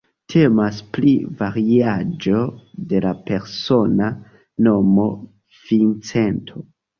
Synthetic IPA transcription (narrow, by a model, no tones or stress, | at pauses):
tʰe̞masplivaɾiiad͡ʒo̞de̞lape̞ɾso̞na | no̞mo̞ | v̥int͡se̞ntʰo̞